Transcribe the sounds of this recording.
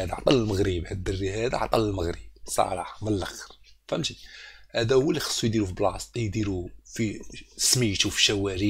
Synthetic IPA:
æd̪æʕt̪ˤɑləlməɣɾibhæd̪ːərːihæd̪æ̰ʕt̪ˤɑləlməɣɾib̚sˤɑ̰ɾˤɑħməlːəxɾfæmt̪ihæd̪æhʊwːælixə̥sˤːujd̪iɾufiblɑst̪jd̪iɾufismijt̪ufi̥ʃæwæɾi

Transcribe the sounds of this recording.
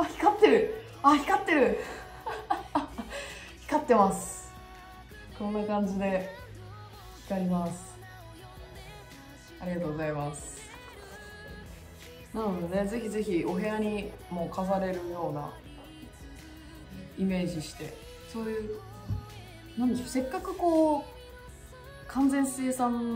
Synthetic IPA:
açi̥kat̪ːe̞ɾɯ̟ | açi̥kat̪ːe̞ɾɯ̟ | çi̥kat̪ːe̞masɨ̥ | kõ̞nːakãɲ̟d͡ʑid̪e̞ | i̥t̪eaɾʲimasɨ̥ | aɾʲiɡat̪o̞ːɡozaimasɨ̥ | nãnod̪one̞ze̞çize̞çio̞ɦe̞aɲ̟imo̞ːkas̬aɾe̞ɾɯ̟jo̞ːna̰ | ime̞ːʑiɕi̥t̪e̞̰ | so̞ːjɯ̟ː | nãnd̪eɕose̞kːakɯ̟ko̞ː | kʰãnzẽ̞ɰ̃sɨjesãn

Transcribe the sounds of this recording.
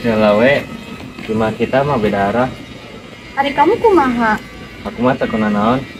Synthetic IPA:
salawɛ | timakit̪amabedaːɾah | haɾikamukumaɦa | hakumasakunanaɔn

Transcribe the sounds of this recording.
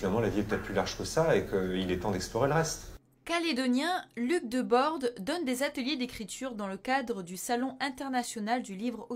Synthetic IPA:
inalmɑ̃laviɛpət̪ɛt̪̚plylaʁʒkəsaekəilɛt̪ɑ̃d̪ɛksplɔʁeləʁɛst̪ | kaled̪ɔnjɛ̃lyk̚d̪əbɔʁd̪d̪ɔnd̪ezat̪əljed̪ekχit̪yʁd̪ɑ̃ləkad̪ʁəd̪ysalɔ̃ʔɛ̃t̪ɛʁnasjɔnald̪ylivʁo

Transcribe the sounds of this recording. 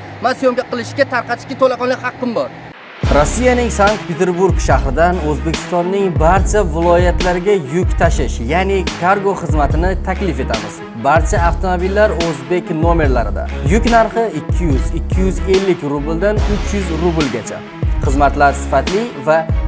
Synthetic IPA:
masjomɡʲaqɨlˠɪʃkʲat̪ʰaɾqɑt̪ʰɪ̥ʃkʲat̪ʰolaqɒnlɪkʲhɑqːɨmbɒɾ | ɾosːijanɪŋsaŋk̚t̪̚pʰet̪ʰe̞ɾbuɾɡʃahɾɪd̪anɵzbe̞kʲʰɪ̥st̪ɒnːɪŋbaɾt͡ʃʰavɪlˠɒjat̪laɾɪɡʲajʊkʲt̪ʰaʃɪʃjanekʰaɾɡo̞χɨzmat̪ʰɪnɪt̪ʰakʲlɪfe̞t̪ʰamɪz̥ | baɾt͡ʃʰaːft̪ʰomobilːaɾɵzbe̞kʲnome̞ɾlaɾɪd̪a̰jʊkʲnaɾχɪɪkʲʰːɪjʉzɪkʲʰːɪjʏze̞lːɪkʲɾubɪld̪anʊt͡ʃʰjʊzɾʊbɪlɡʲat͡ʃʰa̰ | χɨzmat̪laɾsɪ̥fat̪lɪva

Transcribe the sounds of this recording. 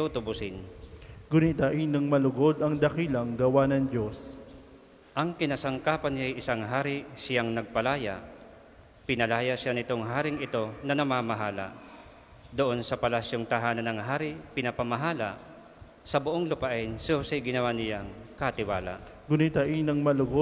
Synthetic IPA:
ut̪ʊbʊsɪnɡʊnit̪aʔinɐŋmɐlʊɡod̪ɐŋd̪ɐkilɐŋɡɐwanɐŋd͡ʒo̞s | ʔɐŋkɪnasɐŋkaːpɐnjajʔɪsaŋɦaːɾɪsɪjaŋnɐɡ̚pɐlaːja̰ | pɪnɐlaːjaʃanɪt̪oŋɦaːɾɪŋɪt̪o̞nɐnɐmamɐɦaːla̰ | d̪oʔo̞nsɐpɐlasjoŋt̪ɐɦaːnɐnːɐŋɦaːɾɪpɪnɐpɐmɐɦaːlɐ̰ʔ | sɐbʊʔoŋlʊpaʔɛnsɪʊsɛjɡɪnɐwanɪjaŋkɐt̪ɪwa̰ːla̰ʔ | ɡʊnit̪aʔinɐŋmɐlʊɡo

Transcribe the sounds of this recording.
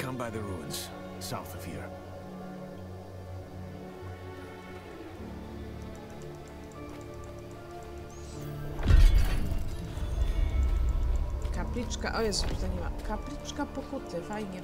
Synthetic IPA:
kʰʌ̃mbaɪðəɹuə̃nz̥ | saʊθəv̥ḭɹ | kaplʲit͡ʂka̰ʔɔjɛsuzaɲɛva̰kaplʲit͡ʂkapɔkut̪ɘfajɲɛ

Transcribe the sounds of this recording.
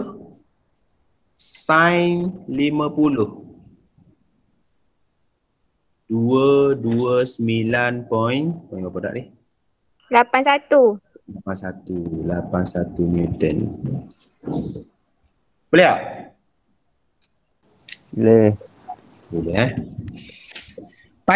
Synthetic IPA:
sajnlimə̃pulʊh | d̥uəduəsəmilanpɔinpɔĩnkapəda̰ʔdih | lapansat̪ulapansat̪ulapansat̪umjut̪ən | pəliaʔ | leh | bulɛha | pa

